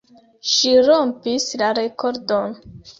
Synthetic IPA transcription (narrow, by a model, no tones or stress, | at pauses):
ʃiɾompislaɾe̞ko̞ɾdon